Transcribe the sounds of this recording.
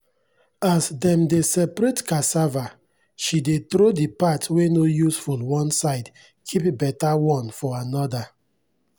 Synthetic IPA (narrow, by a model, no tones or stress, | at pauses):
asdɛ̃mdesɛpɾetkasava | ʃidetɾodipatwenojusfulwɔ̃nsaɪd | kʰipbɛtawɔ̃nfɔanɔda